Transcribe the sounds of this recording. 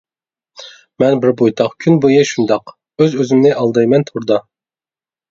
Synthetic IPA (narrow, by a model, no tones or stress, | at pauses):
mɛnbɪɾbojt̪ʰɑχkʲʰynbujeʃund̪ɑq | øzøzymnɪʔɑlˠd̪ɑjmɛnt̪ʰuɾd̪ɑ